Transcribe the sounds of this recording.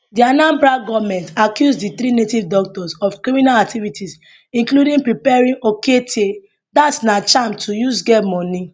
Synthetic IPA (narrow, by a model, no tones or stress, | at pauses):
dianãmbɹaɡɔvmɛ̃ntakjusdiθɾinetivdɔk̚tɔsɔfkɹiminalak̚tivitʰis | ĩnkludĩŋpɹipɛɹĩŋoketʰe | datsnat͡ʃãmtʰujusɡɛmɔ̃ni